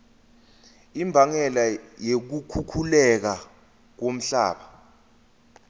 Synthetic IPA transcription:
imbʱaŋɛlajek̬ukʰukʰulɛk̬a | k̬om̩ɬa̰ːɓa

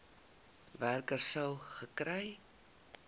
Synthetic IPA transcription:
værkərsəwχəkrɛj

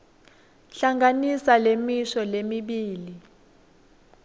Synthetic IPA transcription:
ɬaŋɡanisalemiʃɔlemiɓiːli

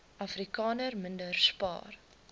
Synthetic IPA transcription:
ʔɐfrikɑːnərməndərspɑ̰ːr

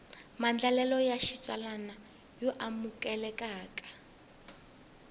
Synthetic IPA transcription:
mand͡ɮalɛlɔjaʃit͡ʃʼalana | jɔʔamukʼɛlɛkʼaːkʼḁ

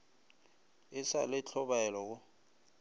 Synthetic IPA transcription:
ɪsa̰lɪt͡ɬʰɔɓalɔk̬ʊ

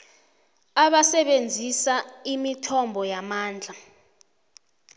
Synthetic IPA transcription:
aɓasɛɓend͡zʱisaimitʰɔmbʱɔjamaːnd͡ɮʱa

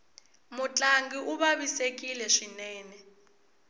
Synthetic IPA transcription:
mut͡ɬʼaŋɡiʔuβaβisek̬ʼilɛʂinɛːnɛ

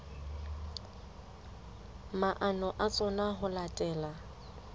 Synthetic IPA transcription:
maʔanɔʔat͡sʼɔnaɦʊlatʼɛːla

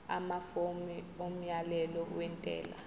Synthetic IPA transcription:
a̰mafomi | om̩jalɛlɔwɛntʼɛ̰ːla̰

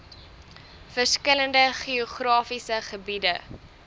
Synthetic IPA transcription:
fərskələndəχioχrɑːfisəχəbidə

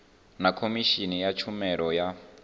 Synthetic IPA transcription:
nakʰomiʃinijat͡ʃʰumɛɺɔja

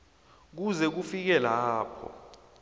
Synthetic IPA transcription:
k̬uzɛk̬ufik̬ɛlaːpʰɔ̰

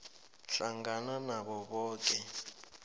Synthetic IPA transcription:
ɬaŋɡananaɓɔɓɔːk̬ʼɛ

